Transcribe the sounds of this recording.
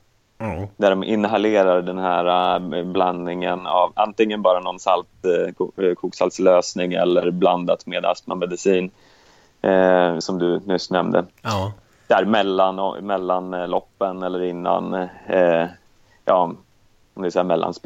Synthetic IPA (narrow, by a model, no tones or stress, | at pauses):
d̪æɖɔmʔɪnːɦaleːɾaɖɛnɦæːɾabland̪nɪŋənavant̪ɪŋːənbɑːɾanɔnsalt̪ | kʰuːksalt̪sløːsnɪŋɛ̰lːəɾbland̪at̪meːd̪a̰spnamɛd̪ɪsiːn | sɔmd̪ɵnɵsnɛmd̪ə̰ | d̪̥æɾmɛlːanɔ̰mɛlːanlɔpːənɛlːəɾɪnːa̰n | jɑː | ɔmd̪vɪsɛjːamɛlːa̰nsp